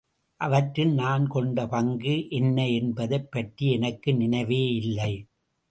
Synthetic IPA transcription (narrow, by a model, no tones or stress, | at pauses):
ʔɐʋɐʈɾɪlnaːnkɔɳɖɐpɐŋɡɯʔɛnːɐɛnbɐðɐɪpːɐʈriɛnɐkːɯnɪnɐɪʋeːɪlːɐɪ